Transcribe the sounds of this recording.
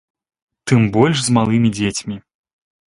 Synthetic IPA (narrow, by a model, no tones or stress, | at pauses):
t̪ɨmbɔlʲʂzmalˠɨmʲid͡zʲet͡sʲmʲi